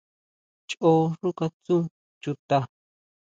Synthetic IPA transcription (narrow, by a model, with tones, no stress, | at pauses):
t͡ʃo˦ʐu˦ka˧t͡sũ˦ | t͡ʃu˧t̪a˧